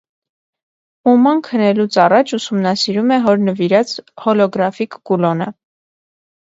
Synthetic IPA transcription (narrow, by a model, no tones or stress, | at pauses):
umɑnkʰənɛlut͡sʰɑrɑt͡ʃʰusumnɑsiɾumɛɦɔɾnəviɾɑt͡shɔlɔɡɾɑfikɡulɔnə